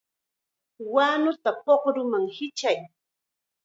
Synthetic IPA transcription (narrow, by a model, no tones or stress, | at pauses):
waːnʊt̪apoχɾʊmaŋhɪt͡ʃaj